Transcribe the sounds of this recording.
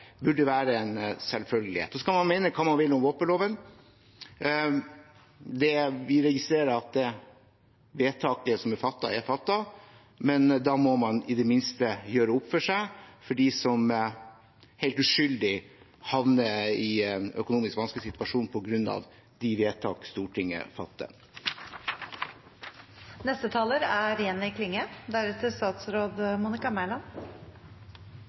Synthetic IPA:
bʉɖːəʋæːɾəɛnsɛlfœlɡəlɪhḛːt̪ːɔskɑlmɑnmæɪnəkʰɑːmɑnʋɪlːɔmʋoːpənloːʋən | d̪ɛʋɪɾɛɡɪst̪ɾeːɾəɾɑt̪̚d̪ɛ | ʋeːt̪ʰɑːkəsɔmɛfɑt̪ːɑ̰ɛfɑt̪ːɑ | mɛnd̪ɑmɔmɑnɪd̪ɛmɪnst̪əjøːɾəʊpfɔʂæɪfɔɖiːsɔm | hɛɪlt̪ʉʂʏld̪ɪ | hɑʋnəɪɛnœ̰kʊnuːmɪskʋɑnsklɪsɪt̪ʋɑʂuːnpʰɔɡɾʉnːɑ̰ʋ | d̪ɪʋeːt̪ʰɑ̰ːkst̪uːʈʰɪŋːə̰fɑt̪ːə̰ | nɛst̪ət̪ʰɑːləɾæɾjɛnːəɪkʰlɪŋːəd̪æɾɛt̪əst̪ɑːt̪sɾoːd̪muːnɪkɑmælɑn

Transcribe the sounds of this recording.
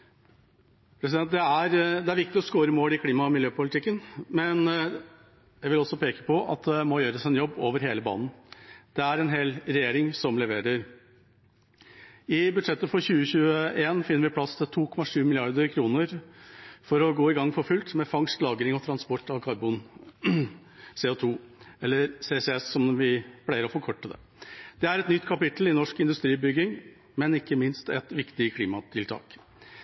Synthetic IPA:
pʰɾɛs̬ɪd̪ɛnt̪̚d̪ɛæɾd̪ɛæɾʋɪk̚t̪ɪɔskoːɾəmoːlɪkʰliːmɑmɪljøːpʊlɪt̪ɪkːənmɛn | jæɪʋɪlɔsɔpʰeːkə̥pʰɔʔɑ̰t̪̚d̪ɛmɔjøːɾəsɛnjɔbːoːʋəɾheːləbɑ̰ːnn̩d̪̥ɛæɾɛnɦeːlɾɛjeːɾɪŋsɔmlɛʋeːɾəɾ | ɪbʉd̪ʂɛt̪ːəfɔɾçʉːəçʉːəʔeːnfɪnːəɾʋɪpʰlɑst̪ʰɪlt̪ʰuːkʰɔmːɑʂʉːmɪlɪɑɾd̪əɾkʰɾuːnəɾ | fɔɾɔɡoːɪɡɑŋːfɔɾfʉlt̪mɛfɑŋst̪lɑːɡɾɪŋɔt̪ʰɾɑnspɔʈːɑʋkʰɑɾbʊn | seːoːt̪ʰuːɛlːəɾseːsɛɛsːɔmʋɪpʰlæɪəɾɔfɔɾkʰɔʈːəd̪ɛ̰ | d̪̥ɛæɾɛt̪nʏt̪ːkʰɑpɪt̪l̩ɪnɔʂkɪnd̪ʉst̪ɾiːbʏɡɪŋ | mɛnɪkːəmɪnst̪ɛt̪ʋɪkt̪ɪkʰliːmɑt̪ʰɪlt̪ʰɑ̰ːk

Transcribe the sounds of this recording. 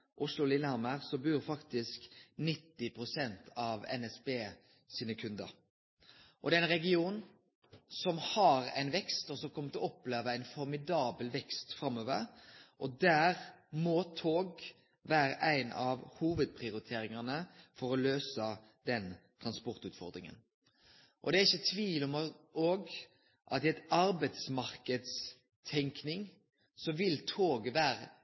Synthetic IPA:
ʔʊslʊlɪnəɑməʁsɔbʉːɾfɑkt̪ɪsknɪt̪ːɪpʰʁʊsɛnt̪ʰɑʋɛ̰nɛsbeː | siːnəkʰʉnd̪ə̰ɾ | ʔɔd̪ɛːæɪnʁɛɡɪuːn | sɔmhɑɾæ̰ɪnʋɛkst̪ɔsɔmkʰɔmːət̪ʰɪlɔpːleːʋəæɪnfɔɾmɪd̪ɑːbəlʋɛkst̪fɾɑmːøːʋəɾʔɔd̪æːʁmɔːt̪ʰoːɡ | ʋæːɾəʔæɪnɑʋhuːʋəd̪̚pʰɾɪʊɾɪt̪ʰeːɾɪŋɑnəfɔɾɔløːsə | d̪ɛnt̪ʰʁɑnspɔʁt̪ʉːt̪fɔ̰ʁd̪ɾɪŋə̰n | ʔɔ̰d̪ɛæɾɪçːət̪ʰʋiːlɔmoːɡ | ʔɑ̰t̪ɪæɛɪt̪ɑɾbæɪt̪smɑɾkəd̪s | t̪ʰɛŋknɪŋ | sɔʋɪlt̪ʰoːɡəʋæːɾə

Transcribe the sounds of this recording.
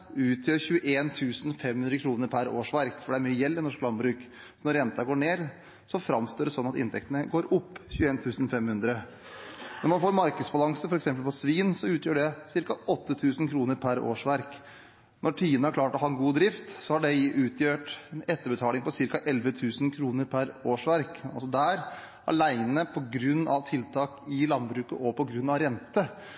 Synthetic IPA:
ʉːt̪ʰjøːɾçʉəʔeːnt̪ʰʉːsn̩fɛmhʉnd̪ɾəkʰɾuːnəɾpʰæɾoːʂʋæɾkfɔɖɛæɾmyːəjɛlːɪnɔʂklɑnbɾʉːk | sɔnɔɾɛnt̪ɑɡoːɳeːɾ | sɔfɾɑmst̪oːɖɛsɔnːɑt̪ɪ̰nt̪ʰɛk̚t̪ənəɡoːɾʊpːçʉːeːnt̪ʰʉːsn̩fɛmhʉnd̪ɾə | nɔɾmɑnfoːɾmɑɾkəd̪sbɑlɑŋsəfɔɾɛksɛmpəlpɔsʋiːnsɔʉːt̪ʰjøːɖɛsɪɾkɑɔt̪ːət̪ʰʉːsənkʰɾuːnəɾpʰæɾo̰ːʂʋæɾk | nʔɔʈʰiːənəæɾkʰlɑːʈɔɦɑːɛnɡuːd̪ɾɪft̪sɔhɑɖɛʉːt̪ʰjøːʈɛnɛt̪ːəbət̪ʰɑːlɪŋpɔsɪɾkɑʔɛlʋət̪ʰʉːsnkʰɾuːnəɾpʰæɾoːʂʋæɾkɑ̰lsɔd̪æːɾ | ʔɑ̰læɪnəpʰɔɡɾʉnːɑ̰ʋt̪ʰɪlt̪ʰɑːkɪlɑnbɾʉːkəʔɔpʰɔɡɾʉnːɑʋɾɛnt̪ə

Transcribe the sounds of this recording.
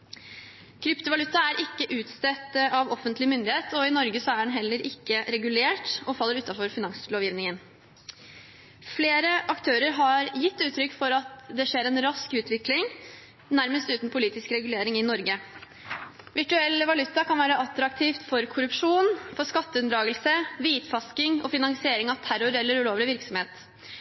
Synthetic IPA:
kʰɾʏpt̪ʊʋɑlʉt̪ːɑæɾʔɪkːəʔʉːt̪st̪ɛt̪ːəʔɑʋɔfənt̪lɪmʏnd̪ɪheːt̪ʰɔɪnɔɾɡəsɔæɖɛnɦɛlːəɾʔɪkːəɾɛɡʉleːʈɔfɑlːəɾʉːt̪ːɑfɔɾfɪnɑŋsloːʋjɪʋnɪŋən | fleːɾəʔɑkt̪ʰøːɾəɾɦɑɾjɪt̪ːʉːt̪ʰɾʏkːfɔɾɑt̪d̪ɛʂeːɾɛnɾɑskʉːt̪ʋɪklɪŋ | næɾməst̪ʉːt̪n̩pʰʊliːt̪ɪskɾɛɡʉleːɾɪŋɪnɔɾɡə | ʋɪʈʉɛlːəʋɑlʉt̪ːɑkʰɑnʋæːɾəʔɑt̪ːɾɑk̚t̪ʰiːft̪fɔɾkʰʊɾʉpʂuːnfɔʂkɑt̪ːəʉnd̪ɾɑːɡəlsəʋiːt̪fɑskɪŋɔ̰fɪnɑŋsɪeːɾɪŋɑʋt̪ʰæɾʊɾɛlːəɾʉloːʋlɪʋɪɾksɔmheːt̪

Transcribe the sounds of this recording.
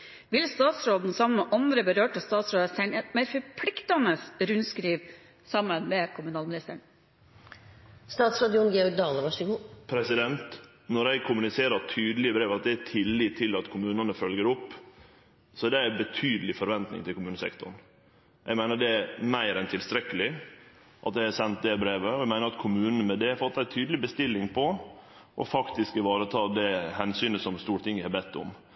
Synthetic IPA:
ʋɪlst̪ɑːt̪sɾoːd̪n̩sɑmənmɛʔɑnd̪ɾəbəɾøːʈʰɪlst̪ɑːt̪sɾoːd̪əsæɪnɛt̪mæɾfɔɾpʰlɪkt̪ɑnəsɾʉnskɾiːʋ | sɑmːənmeːkʰʊmʉnɑːlmɪnɪst̪əɳ | st̪ɑːt̪sɾɑd̪ɪʊnɡɛːɔɡd̪ɑːləmɑʂɪpʰɾɛsɪd̪ɛnt̪ | nɔɾæɪkʰʊmʉnɪseːɾɑɾt̪ʰyːd̪əl̩ɪəbɾeːʋɑt̪̚d̪ɛæt̪ʰɪlːiːt̪ʰːɪlɑt̪kʰʊmʉːnɑnəfœlɡəɾʊpː | sɔd̪ɛæbət̪ʰyːd̪əlɪfɔɾʋɛnt̪nɪ̰ŋt̪ʰɪlkʊmʉːnəsɛ̰kt̪ʊ̰ɳ̩ | ʔɛɪɡmæɪnəɖɛæɾmæɪɾɛnt̪ʰɪlst̪ɾɛkːəlɪ | ʔɑt̪̚d̪ɛɪæsɛnt̪̚d̪ɛbɾeːʋəɔɛɪmæɪəɾɑt̪kʰʊmʉːnənəmɛd̪ɛɾfɑt̪ːæɪt̪ʰyːd̪əlɪbəst̪ɪlːɪŋpʰɔ | ʔɔ̰fɑkt̪ɪskəʋɑːɾət̪ʰɑːd̪ɛhɛnsyːnəsɔmst̪uːɾʈ̪ʰɪŋːəhɑbɛt̪ʰːʊ̰m

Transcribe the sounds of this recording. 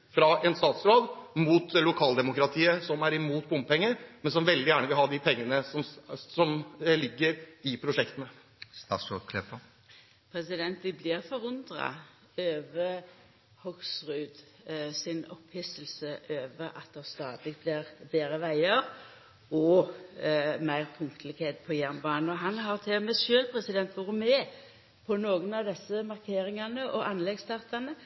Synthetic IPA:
fɾɑɛnst̪ɑːt̪sɾoːd̪muːt̪lʊkʰɑːld̪ɛmʊkɾɑt̪ʰiːəsɔmæɾɪmuːt̪̚bʊmppɛŋːəmɛnsɔmʋɛld̪ɪjæːɳəʋɪlhɦɑːd̪ɪpʰɛŋːənəsɔmsɔmlɪɡːəɾɪpʰɾʊʂɛkt̪ənə | st̪ɑ̰sokʰlɛpɑ | pʰɾɛsɪd̪ɛnt̪d̪ɪblɪːʁfɔʁʊnd̪ʁɑ̰ | øːʋə | hɔɡsʁʉːd̪ | sɪnɔphɪsəlsəʔøːʋəʔɑt̪̚d̪ɛst̪ɑːd̪lɪɡ̪̚bliʁbeːɾəʋæɪəʁ | ɔ | mæɪʁpʰʊŋt̪ʰəlɪɡheːt̪̚pʰɔjæʁnbɑːnn̩ɔɦɑnɦɑʁt̪ʰɛmɛʃøːlpʰʁɛsɪd̪ɛnt̪ʋʊʁʊmɛː | pʰɔnoːɡənɑʋd̪ɛsːəmɑʁkʰeːʁɪŋɑnəʔɔʔɑnlɛɡst̪ʰɑʁt̪ɑnə

